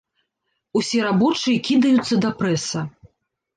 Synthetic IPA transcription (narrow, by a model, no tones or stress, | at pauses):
usʲɛɾabɔt͡ʂɨjɐkʲid̪ɐjut̪sːɐd̪ɐpɾɛsɐ